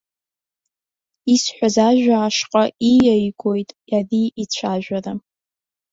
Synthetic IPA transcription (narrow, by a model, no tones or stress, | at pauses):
isħʷᶣazaʒᶣaːʂqʼaijajɡʰʷʼo̞jtʼjadiit͡ɕʷʰaʒᶣara